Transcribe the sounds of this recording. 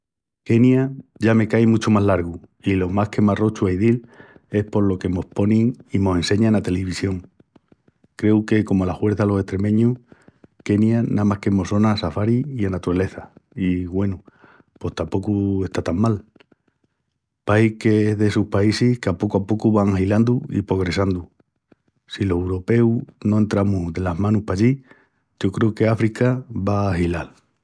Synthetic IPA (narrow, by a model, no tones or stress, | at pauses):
ke̞njaʝame̞kajmut͡ʃomaɦlaɾɣuilo̞mahke̞maro̞t͡ʃuaiðile̞hpo̞ɾlo̞ke̞mo̞hpo̞niŋimo̞sẽ̞nse̞ɲaenat̪e̞leβ̞isjo̞ŋ | kɾe̞uke̞ko̞molahwe̞ɾθalo̞se̞ht̪ɾe̞mẽ̞ɲuke̞njanamahke̞mo̞so̞naːsafaɾiianat̪uɾale̞θaiɣwe̞nu | po̞ht̪ampo̞kue̞st̪at̪ammal | paikeeɦðesuhpaisihkapo̞kwapo̞kuβaŋahiland̪uḭpɾo̞ɣ̞ɾe̞sand̪u | silo̞sewɾo̞pe̞unoe̞nt̪ɾamuðe̞laɦmãnuhpaʎi | ɟ͡ʝo̞kɾe̞ukeafɾikaβaːhilal